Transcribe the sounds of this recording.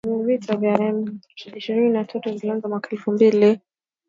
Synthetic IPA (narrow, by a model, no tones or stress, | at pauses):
nivitʰavjaɛmt͡ʃadiʃiɾininatʰatuziliaŋzamwakaɛlfumbili